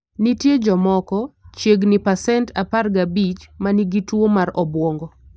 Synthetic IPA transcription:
nitjed͡ʒɔmɔkɔt͡ʃjeɡnɪpasɛntaparɡabit͡ʃmaniɡitwomaɾɔbwɔŋɡɔ

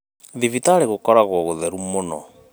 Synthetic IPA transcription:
ðivitaːɾeɣokɔɾaɣwɔɣoðɛɾumonɔ̰

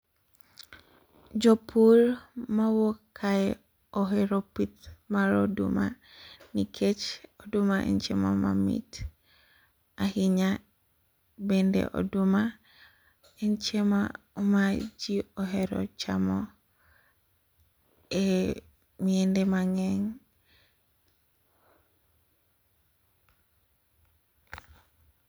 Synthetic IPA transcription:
d͡ʒopʰulmawokʰːae | oɦeɾopit̪maɾo̰dṵma̰nikʰet͡ʃodumaʔḛnt͡ʃema̰ma̰mḭt | ahiɲa | bendḛʔo̰duma | ent͡ʃema̰ | mad͡ʒiɔɦɛɾɔ̰t͡ʃamɔ | e | miendemaŋɛŋ

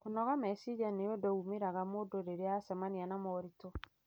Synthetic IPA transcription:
konɔɣamɛsid͡ʒanejɔdɔumeɾaɣamodoɾeɾeasamanianamɔɾitɔ

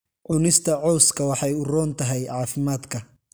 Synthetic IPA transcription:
ʕʊnɪst̪ʰɐʕɔwskʰɐwɑħɑjʊrɔːnt̪ʰɐɦɛjʕɑːfɪmaːd̪kʰɐ

